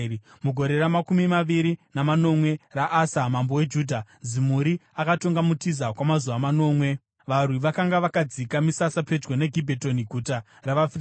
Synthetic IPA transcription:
muɡʱoɾe̞ɾamakumimaʋiɾinamano̞mwe̞raʔasamambo̞we̞d͡ʒuːdʱa | zimuɾiakatoŋɡamutizakwamazuʋamano̞ːmwe̞ | ʋarwiʋakaŋɡaʋakad͡zikamisasape̞d͡ʒɡo̞ne̞ɡʱibʱeto̞niɡʱuta | raʋaf

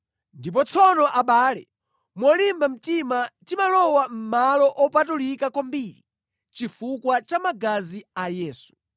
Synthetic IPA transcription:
ndip̬ɔt͡sʰɔnɔʔaɓaːlɛ | mɔlimbam̩timatimalɔwam̩malɔʔɔpatulikakwambiɾḭ | t͡ʃifukwat͡ʃamaɡaziajɛːsu̥

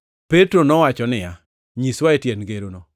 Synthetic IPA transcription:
petɾonɔwat͡ʃɔnɪja | ɲiswaetjenɡeɾonɔ

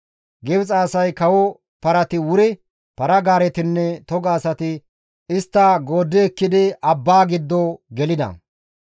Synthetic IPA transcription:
ɡɛbt͡sʼaːsɐjkɐwɔ | pɐɾɐt̪ɪwʊɾɪ | pɐɾɐɡaːɾɛt̪ɪnːɛt̪ɔɡaːsɐt̪ɪ | ɪst̪ːɐɡo̞ːd̪ːɛːkːɪd̪ɪʔɐbːaːɡɪd̪ːoɡɛlɪd̪ɐ̰

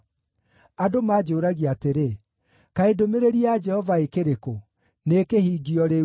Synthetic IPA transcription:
adomaːd͡ʒoːɾaɣiateɾe | kaedomeɾeɾiad͡ʒɛhɔvaekeɾeko | nekehiːɡiɔɾe

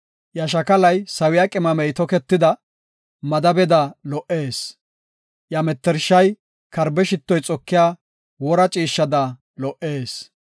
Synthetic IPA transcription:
jɐʃ̬ɐkɐlɐjsɐwɪjaːkʼɪmɐmɛjt̪ɔkɛt̪ːɪd̪ɐ | mɐd̪ɐbɛd̪ɐlɔʔeːs | jɐmɛt̪ːɛɾʃɐj | kɐɾbɛʃɪt̪ːɔjt͡sʼɔkːɪjaː | wɔɾɐt͡ʃʼiːʃːɐd̪ɐ | lɔʔe̞ːs

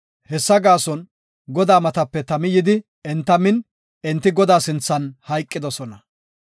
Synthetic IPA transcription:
hɛsːɐɡaːsɔn | ɡɔd̪aːmɐt̪ɐpːɛt̪ɐmɪjɪd̪ɪ | ɛnt̪ːɐmɪn | ɛnt̪ːɪɡɔd̪aːsɪnt͡sːɐnhɐjkʼːɪd̪ɔsɔnɐ

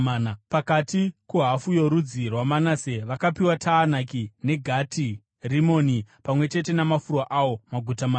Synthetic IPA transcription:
napakatikuɦafujo̞ɾud͡zirwamanase̞ʋakapiwatʰaːnakine̞ɡʱati | rimo̞ːnipamwe̞t͡ʃe̞te̞namafurwaʔawo̞maɡʱutamaː

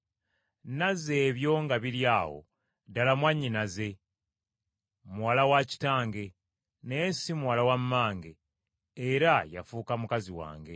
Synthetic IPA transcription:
naze̞ːβjo̞ːŋɡaβiljaːwo̞̰ | dalamwaɲːinaze̞ | muwalawaci̥taːŋɡe̞ | nesimuwalawamːaːŋɡe̞ː | ɾaja̰fuːkamukaziwa̰ːŋɡe̞

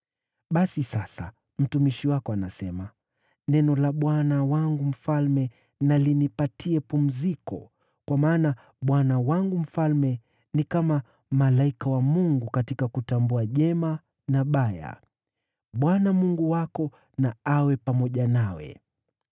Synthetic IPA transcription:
ɓasisasa̰ | m̩tumiʃiwakɔanasɛma | nɛnɔlaɓwanawaŋɡum̩falmɛ | nalinipatʰiɛpum̩zikɔ̰ | kwamaːna | ɓwanawaŋɡum̩falmɛ | nikama | malaikawamuŋɡukatikakutambuaʄɛma | naɓaja̰ | ɓwanamuŋɡuwakɔ | naawɛpamɔʄanawɛ̰

